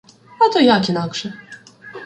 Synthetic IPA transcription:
at̪ɔjakʲinakʂɛ

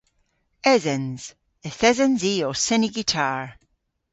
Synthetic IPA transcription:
ɛzənz̥ | əθɛzənziːɔsɪniɡitʰaɹ

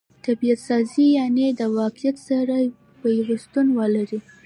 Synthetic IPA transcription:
t̪abijat̪sɑzijɑned̪əwɑqɪjat̪saɾa | pəjawost̪unwəlaɾi

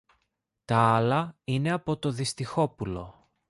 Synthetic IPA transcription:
t̪ɐɐlɐine̞ɐpo̞t̪o̞ðist̪ixo̞pulo̞

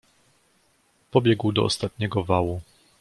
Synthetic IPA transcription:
pɔbʲjɛɡwd̪ɔɔ̰st̪at̪ɲɛɡɔvawu

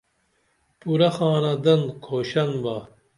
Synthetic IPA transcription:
puɾɐxaːnɐd̪ɐnkʰoːɕɐnba

